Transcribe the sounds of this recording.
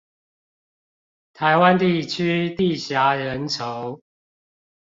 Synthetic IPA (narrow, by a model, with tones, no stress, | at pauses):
t̪ʰa˨˦ɪwa˦nt̪i˥˨t͡ɕʰy˦t̪i˥˨ɕja˨˦ɻə˨˦nt͡sʰo˨˦ʊ